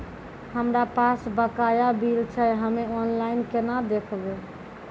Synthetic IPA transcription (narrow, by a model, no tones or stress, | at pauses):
həmɾapasbəkajabilt͡ʃʰɛɦəmeɔnlainkenad̪ekʰbe